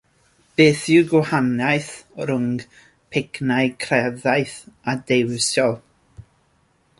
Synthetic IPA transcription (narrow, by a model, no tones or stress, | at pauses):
b̥eːθɪwɡwhanajθɾʊŋ | pʰɪknaɨkʰrɛðajθadejwsjɔlˠ